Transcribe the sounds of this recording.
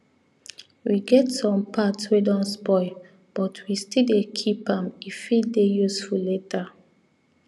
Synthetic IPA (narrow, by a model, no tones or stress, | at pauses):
wiɡɛtsɔ̃mpʰatswedɔ̃nspɔɪ | b̥ɔtʰwistildekʰipãmifidejusfuleta